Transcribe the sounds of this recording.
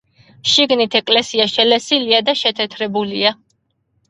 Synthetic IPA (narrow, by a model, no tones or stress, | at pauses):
ʃiɡnit̪ʰɛkʼlɛsiaʃɛlɛsiliad̪aʃɛt̪ʰɛt̪ʰɾɛbulia